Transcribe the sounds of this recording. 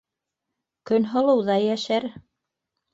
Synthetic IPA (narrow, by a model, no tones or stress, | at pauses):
kɵnɦɤ̆lˠɤ̆wðɑjæʃæɾ